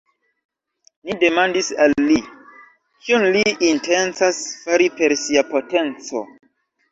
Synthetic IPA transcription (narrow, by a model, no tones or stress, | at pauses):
nide̞mandisalːi | kʰiunliːnte̞nt͡sasfaɾipe̞ɾsiapo̞te̞nt͡so̞̰